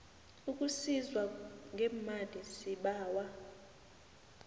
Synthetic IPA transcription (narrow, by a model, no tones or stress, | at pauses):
ukʼusizwaŋɡʱɛmalisiɓaːwa